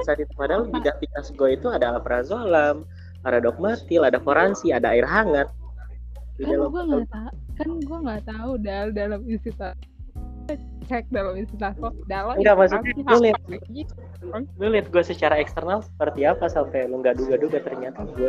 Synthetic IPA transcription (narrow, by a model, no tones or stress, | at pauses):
isadit̪əpadalbidapikasɡuait̪uadalapəɾazolam | paɾadɔk̚mat̪ɪladafoɾansiadaːirɦaŋat̪̚ | didalaɡuaŋɡ̪a | kanɡuaŋɡat̪audaldalaminsit̪a | a | t͡ʃɛk̚dalaminsit̪akɔdalaŋɡamaksut̪̚ɲaulɪt̪̚ | mulɪt̪̚ɡuasət͡ʃaɾaɛkst̪ərnalsə̥pərt̪iapasampajloŋɡaʔd͡ʒuɡad͡ʒuɡat̪ərɲat̪aɡua